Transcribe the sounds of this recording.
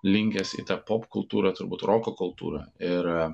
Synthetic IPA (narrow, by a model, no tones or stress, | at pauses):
lʲɪŋʲkʲɛsḭt̪ɐpoːpkʊlˠt̪uːɾɐt̪ʊɾbuːt̪ɾʔoːkoːkʊlˠt̪ṵːɾɐɪɾ